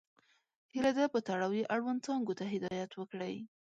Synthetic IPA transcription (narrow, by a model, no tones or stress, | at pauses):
hilad̪apət̪aɽɑwjeʔaɽwand̪̚t͡sɑŋɡot̪aɦɪd̪ɑjat̪wəkɽəj